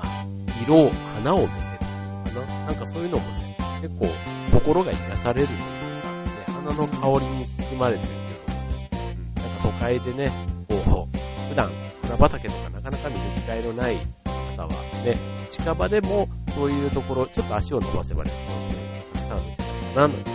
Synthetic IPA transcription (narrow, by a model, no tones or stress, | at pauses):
a | iɾo̞ːhanaomet̪e | ana | nãŋkaso̞ːjɯ̟no̞mo̞ne̞ke̞kːo̞̰ː | ko̞ko̞ɾo̞ɡaid̪asaɾe̞ɾɯ̟nd̪e | nehanano̞kʰao̞ɾʲiɲ̟it͡sɨ̥kɨmaɾe̞t̪eɾɯ̟k̪eoɯ̟̃ɴnãŋkat̪o̞kaid̪e̞ne̞ko̞ːɸɯ̟d̪ã̰ŋhanabat̪ake̞t̪okanakanakamʲinikʲi̥kaeɾonaikat̪aβa̰ne̞t͡ɕi̥kabad̪e̞mo̞so̞ːjɯ̟ːt̪o̞ko̞ɾo̞t͡ɕo̞t̪ːoaɕio̞no̰ba̰se̞ba̰ɾet̪kʲimasɨne̥kã̰t͡ɕik̪akanano̰